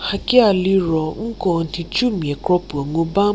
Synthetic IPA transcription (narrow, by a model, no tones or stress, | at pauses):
hakialiɾɔŋ̩kɔn̩tit͡ʃumĩɛkɾɔpuɔŋõba